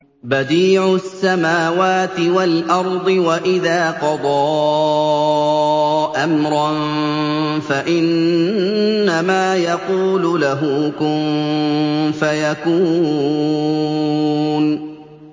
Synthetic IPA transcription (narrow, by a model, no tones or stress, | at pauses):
bad̪iːʕʊsːamaːwaːt̪ɪwalʔɑɾˤd̪ˤɨwaʔɪðaːqɑd̪ˤɑː | ʔamɾˤɑn | faʔɪn | amaːjɑquːlʊlaɦʊkʊmm | fajakuː | n